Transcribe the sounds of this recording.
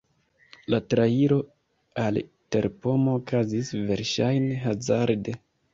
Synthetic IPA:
latɾaiɾo̞ | al | te̞̰ɾpo̞moːkazisve̞ɾʃajne̞ɦazaɾde̞

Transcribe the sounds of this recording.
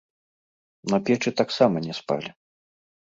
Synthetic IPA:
nɐpʲɛt͡ʂɨt̪aksamɐnʲɛspa̰lʲi

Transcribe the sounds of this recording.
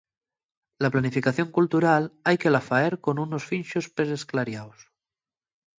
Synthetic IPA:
laplanifikaθjo̞ŋkult̪uɾalajkelafaeɾkonunosfinʃospesesklaɾjaws

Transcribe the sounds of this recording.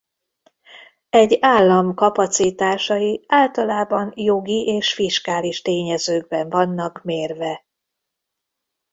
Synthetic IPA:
ɛɟːaːlːɒmkɒpɒt̪sit̪aːʃɒjiaːlt̪ɒlaːbɒnjo̞ɡiʔeːʃfiʃkaːliʃt̪eːɲɛzøːɡ̚bɛɱvɒnːɒkmeːrvɛ

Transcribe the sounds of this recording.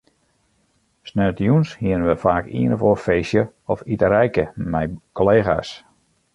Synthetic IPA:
snɛːtjunshiənənʋəfaːkḭənəvofeːsjə | ɔfitəɾɛjkəmɛjkoleːɣa̰ːs

